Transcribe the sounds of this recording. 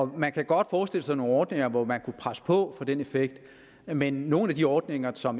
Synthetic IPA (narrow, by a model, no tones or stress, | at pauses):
ɒ̽mænkʰæɡ̥ɒ̽d̥fɒːsd̥e̝l̰əs̬ɑ̈ɪno̝ːnɒːd̥ne̝ŋɐʋɒmænkʰupʰʁasə̥pʰɒ̽fɒ̽d̥ene̝feɡ̥̚d̥ | menːo̝ːn̩æd̥iɒːd̥ne̝ŋɐsɒ̽m